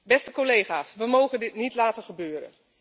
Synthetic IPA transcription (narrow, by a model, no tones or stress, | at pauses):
bɛstəkolejɣaːsʋəmowɣəndɪtnitlaːtəχəbøːɾə̰n